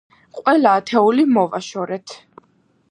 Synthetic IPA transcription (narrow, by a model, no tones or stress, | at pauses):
qʼwɛlaːt̪ʰɛulimɔvaʃɔɾɛt̪ʰ